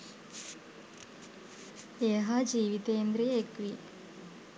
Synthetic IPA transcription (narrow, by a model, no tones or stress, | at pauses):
eːɦad͡ʒiːʋit̪eːend̪ɾijəekʋi